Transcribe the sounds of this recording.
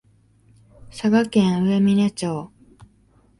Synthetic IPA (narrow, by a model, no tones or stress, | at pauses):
saɡakẽɰ̃ɯ̟e̞mʲine̞t͡ɕoː